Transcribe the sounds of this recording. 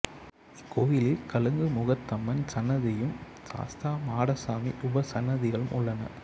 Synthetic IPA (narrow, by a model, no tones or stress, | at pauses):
ɪkʰːojɪlɪlkɐɭɯŋɡɯmʊɣɐt̪ːɐmːɐnsɐnːɐðɪjɯm | sa̰ːst̪aːmaːɽɐsaːmiʔʊbɐsɐnːɐðɪɣɐɭɯmʔʊɭːɐnɐ̰